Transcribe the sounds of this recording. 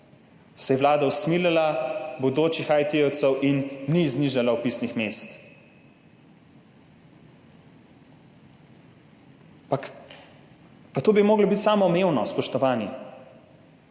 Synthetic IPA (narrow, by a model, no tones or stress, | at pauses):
sɛjɛʋlaːd̪ausmiːlalabod̪oːt͡ʃixajt̪iɛwt̪sɛwʔinːizniʒalawpiːsnixmeːst̪ | pak | pat̪oːbimoːɡlɔbit̪saːmɔmeːwnɔspɔʃt̪ɔʋaːni